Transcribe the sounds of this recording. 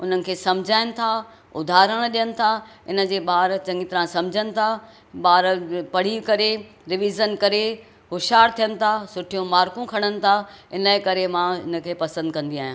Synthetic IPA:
ʊn̤ənɪ̆kʰeːsɐ̃md͡ʑʱaːɪnɪ̆t̪ʰa | ʊd̪ʱaːɾəɽ̃ɗijənɪ̆t̪ʰaɪnə̆d͡ʑeːɓaːɾt͡ɕɐ̃ŋɡɪt̪ɾãsɐ̃md͡ʑʱənɪ̆t̪ʰa | ɓaːɾpɐɽ̤ikɐɾe | ɾɪʋizənkɐɾe | ɦʊʃaːɾt̪ʰijənɪ̆t̪ʰasʊʈʰijũmaːɾkũkʰɐɽ̃ənɪ̆t̪ʰaɪnaĩkɐɾemãɪnə̆kʰeːpɐsə̃nd̪̚kɐ̃nd̪iaːɦijãː

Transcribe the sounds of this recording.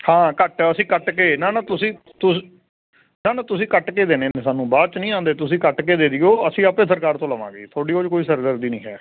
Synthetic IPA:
hãːkəʈəsĩːkəʈkeːnaːnaːt̪ʊsĩː | t̪ʊ | naːnaːt̪ʊsĩːkəʈkeːd̪eːneːneːsaːnũːbaːt͡ʃnĩːãːnd̪eːt̪ʊsĩːkəʈkeːd̪eːd̪iːoːəsĩːaːpẽːsəɾkaːɾt̪õːləʋã̰ːɡəḭːt̪ʰoːɖiːoːd͡ʒkoːiːsəɾd̪əɾd̪iːnḭ̃ːɦɛ̰ː

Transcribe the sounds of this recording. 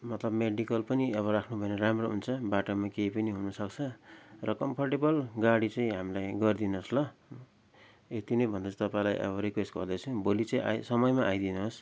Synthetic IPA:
mʌt̪lʌbmeɽikʌlpʌniʌβʌɾakʰnubʱʌeneɾamroɦunt͡sʰʌbaʈomakejpʌniɦunʌsʌkt͡sʰʌrʌkʌmpʰʌrʈebʌlɡaɽit͡sʌ̃ĩɦamilajɡʌrd̪inoslʌ | et̪inʌjbʱʌnd̪ʌt͡st̪ʌpaĩlajʔʌ̰βʌɾikwesʈɡʌrd̪ʌt͡sʰũbolit͡sʌ̃ĩʔa̰jsʌmʌjmaʔajd̪inuɦos

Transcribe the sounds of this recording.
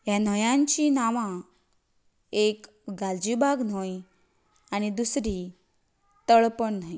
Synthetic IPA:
jan̤əjãɲt͡ɕinaʋã | ek | ɡald͡ʑibʱaɡn̤ɔj | aɽ̃id̪usɾi | t̪əɭpəɳn̤aj

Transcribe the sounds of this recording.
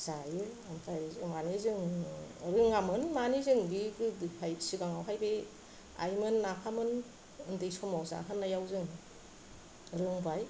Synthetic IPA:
z̥ajɯampʰaɯmanizɯŋɾɯŋamɯnmanizɯŋdikɯdpʰajsiɡaŋawɦajbe | a̰jmɯnːapʰamɯn | ɯndɯjsɔmawza̰ɦɯnːajawzɯŋ | ɾɯŋbaj

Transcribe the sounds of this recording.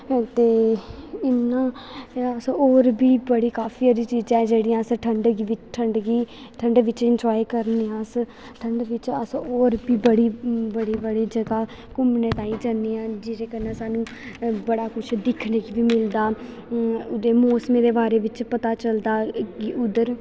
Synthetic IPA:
t̪eːɪnːãːəsoːɾbiːbəɽiːkaːfʰiːəɾiːt͡ʃiːd͡ʒɛ̃ːd͡ʒeːɽiːãːsʈʰəɳɖɡʋɪt͡ʃʈʰəɳɖɡiː | ʈʰəɳɖʋɪt͡ʃɪnd͡ʒɔːikəɾneːãːs | ʈʰəɳɖʋɪt͡ʃəsoːɾbiːbəɽiːbəɽiːbəɽiːd͡ʒəɡaː | kʊmnəʈ̪aːiːd͡ʒaneːãːd͡ʒɪɾeːkənãːsaːnũː | bəɽaːkʊt͡ʃʰd̪ɪkʰnekiʋiːmɪld̪aː | ʊd̪eːmoːsmẽːɾeːbaːɾeːʋɪt͡ʃpət̪aːt͡ʃəld̪aːɡiːʊd̪əɾ

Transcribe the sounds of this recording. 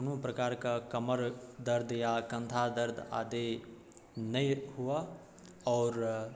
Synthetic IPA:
nũpɾɐkaːɾkakɐməɾd̪əɾd̪ʱjakɐ̃nt̪ʰad̪əɾd̪ʱa̰ːd̪e | nɐiɦua | ɔːɾ

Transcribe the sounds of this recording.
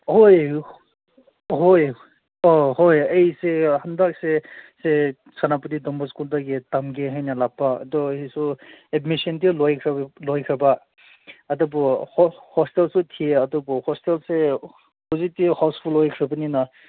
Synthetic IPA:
hoj | ɦoj | ɔhojejsehandak̚sese | sanaputidɔmbɔskuldaɡetamɡeɦajnalapːa̰ːdɔhisuedmisɔntilɔjkʰɾlɔjkʰɾabaː | dɔbɔhhɔstelsɔtʰieadɔbɔhɔstelse | pɔzitihawspʰulɔjkʰɾɯbɯnina

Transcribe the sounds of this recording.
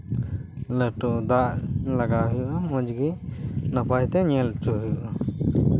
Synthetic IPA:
ləʈud̪aʔlaɡaɦujuʔamɔd͡ʒɡinəpajt̪ɛɲɛlt͡ʃuɦujuʔa

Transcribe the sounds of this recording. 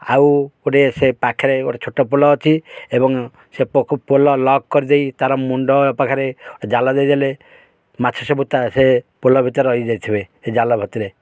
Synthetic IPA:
a̰woɖesepakʰeɾeoʈat͡ʃʰoʈɔpolɔːt͡ʃʰiebɔŋ | sepʰpolɔlɔɡ̚kɔɾid̪ejt̪aɾɔmuɳɖɔɔpakʰaɾeoʈed͡ʒalɔd̪ejd̪ale | mat͡ʃʰɔsɔbut̪asepolɔbʱit̪ɔɾɔjd͡ʒajt̪ʰibeed͡ʒalɔbʱɔt̪iɾe

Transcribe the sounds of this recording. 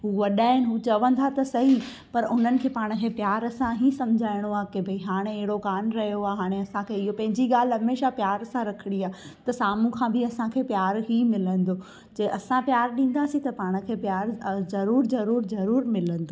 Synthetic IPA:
ɦuːʋɐɗaːɦɪnɪɦuːt͡ɕɐʋə̃nd̪ʱat̪ɐsɐɦi | pɐɾʊn̤ənɪ̆kʰeːpaːɽ̃̆kʰeːpjaːɾɐsãɦisɐmd͡ʑʱaːɪɽ̃oaːkebʱɐiɦaːɽ̃eɐɦɪɽokaːnɾɐɦijoaːɦaːɽ̃eɐsãkʰeːɪɦopɐ̃ɦɪ̃ɲd͡ʑiɡaːl̤ɦɐmeːʃapjaːɾsãɾɐkʰɪɽ̃iaːt̪ɐsaːmũkʰãːbʱɪɐsãkʰeːpjaːɾɦimɪlə̃nd̪o | d͡ʑeːʔɐsãpjaːɾɗĩːn̆d̪asĩt̪ɐpaːɽ̃ə̆kʰeːpjaːɾzɐɾuːɾzɐɾuːɾzɐɾuːɾmɪlə̃n̆d̪ʱoː

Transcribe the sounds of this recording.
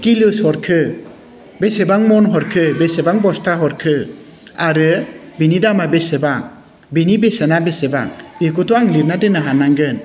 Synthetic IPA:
kilɯshɔɾkʰɯ | besebaŋmɔnɦɔɾkʰɯbesebaŋbɔstʰaɦɔɾkʰɯ | aɾɯbinidamabesebaŋ | binibesenabeseba̰ŋbekutɔaŋliɾnadenɯɦanaŋɡɯn

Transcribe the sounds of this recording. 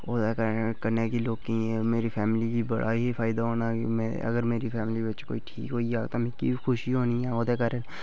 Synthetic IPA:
oːd̪ɛkəɾkəɾnekiloːɡkːĩemeːɾipʰɛːmɪlibibə̰ɽʔa̰ɦifʰaːɪd̪aɦoːnamẽ | ɐ̰ɡəɾmeːɾipʰɛːmlibət͡ʃko̰ːiʈʰḭːkɦoːiaːt̪omɛ̃kibixʊʃiɦoːniãːoːd̪ɛkəɾeːn

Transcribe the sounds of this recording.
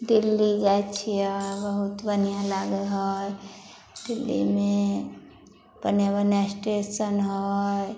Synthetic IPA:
dɪlːid͡ʒat͡ʃʰiɔbəɦut̪bənijãlaːɡəɦɔj | d̪ɪlːḭmẽ | b̥ənjabənjasʈesənɦoj

